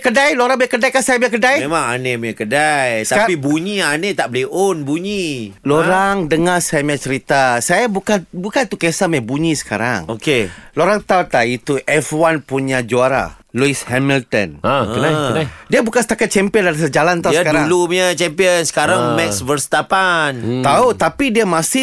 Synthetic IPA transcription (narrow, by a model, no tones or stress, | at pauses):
kədajloɾaŋbiakədajkasajabiakədajmemãŋanemakədajst̪apibuɲianet̪aʔbəlionbuɲiloɾaŋdəŋasajamat͡ʃəɾit̪asajabukanbukant̪ukesamabuɲisə̥kaɾa̰ŋokeloɾaŋt̪awt̪ait̪uʔɛfwanpuɲad͡ʒuaɾa̰luishɛmilt̪ɔ̰naənaadiabukansə̥t̪akat̪̚t͡ʃɛmpiəndaɾisəd͡ʒalant̪auskaɾauŋluɲət͡ʃɛmpiənsə̥kaɾaŋmɛksvəɾst̪apant̪aut̪apidiamasɪ